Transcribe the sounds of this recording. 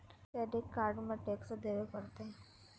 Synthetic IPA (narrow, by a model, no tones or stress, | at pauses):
tɛɖekːaːɾɖmãʈeksd̪eʋekəɾt̪e